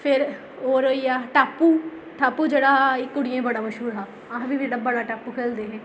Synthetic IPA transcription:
pʰɪɾ | oːɾjaːʈaːpːuː | ʈaːpːuːd͡ʒeːɽaːɪkːʊɽɪjẽːbəɽaːməʃɦuːɾɦaː | aːɦbiːbiɽəbaɽaːʈaːpːuːkʰeːld̪eːɦɛ̃ː

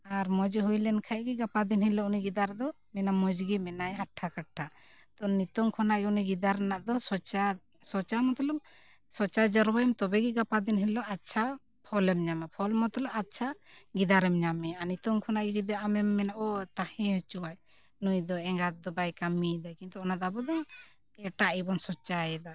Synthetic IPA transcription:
aɾmɔd͡ʒɦujlɛnkʰajɡɛɡapad̪inhilɔuniɡid̪aɾd̪ɔ | mɛnamɔd͡ʒɡimɛnajɦaʈʰːakaʈʰːat̪ɔnit̪ɔŋkʰɔnaʔɡɛuniɡid̪aɾɛnaʔd̪ɔsɔt͡ʃa | sɔt͡ʃamɔt̪ɔlɔm | sɔt͡ʃad͡ʒəɾwamt̪ɔbɛɡɛɡapad̪inhilɔʔatt͡ʃʰa | pʰɔlɛmɲamapʰɔlmɔt̪ɔlɔʔatːt͡ʃʰaɡid̪aɾɛmɲamɛanit̪ɔŋkʰɔnaʔɡiɡid̪ɔamɛmːɛnaʔɔt̪ahɛ̃ht͡ʃuwaj | nujd̪ɔɛŋɡat̪̚d̪ɔbajkamid̪ajkint̪ɔːnad̪ɔabɔd̪ɔ | ɛʈaʔibɔnsɔt͡ʃajɛd̪a

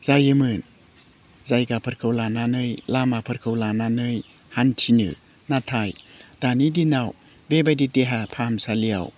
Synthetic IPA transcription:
z̥ajɯmɯn | zajɡapʰɯɾkʰɯwlananɯjlamapʰɯɾkʰɯwlananɯj | hantʰinɯ̰ | natʰajd̥anidinaw | bebajdideɦapʰamsalia̰w

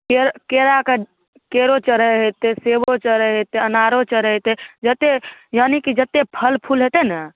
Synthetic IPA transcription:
keɾkeɾake | keɾot͡ʃəɾəɦet̪esebot͡ʃəɾəɦet̪ːeənaɾot͡ʃəɾəɦt̪ed͡ʒət̪ːejanikid͡ʒət̪ːepʰəlpʰulɦet̪enə

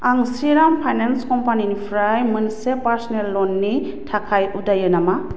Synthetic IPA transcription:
aŋsiɾampʰajnanskɔmpaninipʰɾajmɯnsepaɾsɔnellɔnːi | tʰakʰajudajɯnama

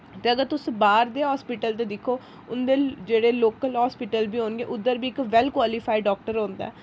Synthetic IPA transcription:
t̪eːəɡəɾt̪ʊsbaːɾd̪eːɦɔːspɪʈəlt̪̬eːd̪ɪkʰːoː | ʊnd̪eːd͡ʒeːɽeːloːkəlɦɔːspɪʈəlbiːɦõːnɡeːʔʊd̪ːəɾbiːɪkʋɛlkwaːlɪpʰaːiɖɔːk̚ʈəɾõːnd̪a̰ː

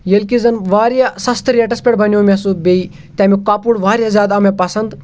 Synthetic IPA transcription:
jelkizɐnʋaːɾjasɐst̪ʰɾʲeʈɐspʲeʈbʱɐniomʲasubʲei | t̪ʲamikaːpuɽʋaːɾʲjazʲaːd̪ɐmepɐsɐnd̪

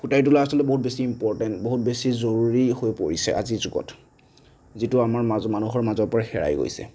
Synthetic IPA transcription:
xutajtulaasɔlɔtɛboɦut̚besiːmpɔɹtɛntboɦut̚besizoɹuɹihojpoɹisɛ̰ʔa̰zizuɡɔ̰t | zitʊamaɹmazmanuxɔɹmazɔɹpɔɹaxɛ̰ɹa̰jɡo̰jsɛ̰

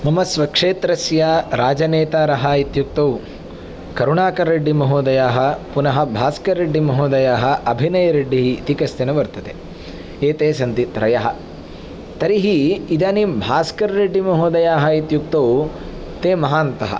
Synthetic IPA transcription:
mɐmɐsʋɐkʂeːt̪ɾɐsjaɾaːd͡ʒɐneːt̪aːɾɐɦɐit̪juk̚t̪ɐw | kɐɾuɳaːkɐɾːeɖːimɐɦuːd̪ɐjaːɦɐpunɐɦɐbʱaːskɐɾːeɖːimɐɦoːd̪ɐjaːɦɐ̆ʔɐbʱinɐjɐɾeɖːiɦiːt̪ikɐst̪inɐʋɐɾt̪ɐt̪e | eːt̪eːsɐnt̪it̪ɾɐjɐɦɐ̆ | t̪ɐɾiɦiːd̪aːnibʱaːskɐɾɾeɖːimɐɦuːd̪ɐjaːɦɐit̪juk̚t̪ɐw | t̪eːmɐɦaːnt̪ɐɦɐ̰

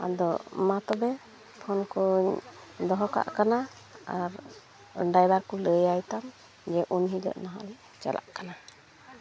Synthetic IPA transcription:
a̰d̪ɔmat̪ɔbɛ | pʰɔnkuɲd̪ɔɦɔka̰ʔkana | aɾ | əɳɖajbaɾkuləjajt̪am | d͡ʒɛʔunɦid̪ə̰ʔnaɦa̰lɛ | t͡ʃa̰lʔa̰ʔkana

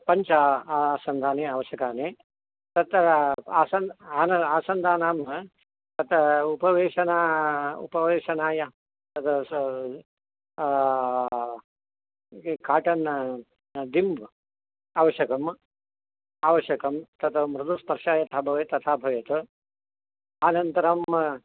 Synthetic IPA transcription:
pɐɲt͡ʃaːsɐnd̪ʱaːneːaːʋɐʃjɐkaːneː | t̪ɐt̪aːsɐnaːnɐaːsɐnd̪ʱaːnaːm | t̪ɐt̪upɐʋeːʃɐnaːṵpɐʋeːʃɐnaːjɐ | t̪ɐt̪ɐ | kaːʈɐn | d̪imbʱ | aːʋɐʃjɐkɐm | aːʋɐʃjɐkɐmt̪ɐt̪ɐmɾɨd̪uspɐɾʂaːjɐt̪ʰaːbʱɐʋeːt̪ɐt̪ʰaːbʱɐʋjɐt̪ɐ | aːnɐnt̪ɐɾɐm

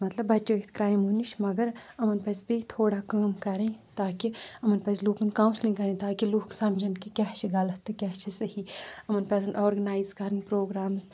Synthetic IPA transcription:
mɐt̪lɐbːɐt͡ʃɐt̪ʰkɾaːjmɦuniʃmɐɡɐɾɐmɐnpɐsbit̪ʰoːɽakaːmkɐɾẽt̪aːkiɐmɐnpɐzluːkɐnkãːw̃slĩkɐɾẽːt̪aːkiluːksɐmd͡ʒɐnkikʲaɦt͡ʃʰiɡɐlɐt̪ːɨkʲaɦt͡ʃʰisɐhiɐmɐnpɐːsɐnʔɔːɾɡɐnaːizkɐɾənpɾoːɡɾaːmz

